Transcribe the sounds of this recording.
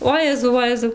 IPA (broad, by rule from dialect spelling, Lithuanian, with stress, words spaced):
ˈoːjɛzɐʊ ˈʋoːjɛzɐʊ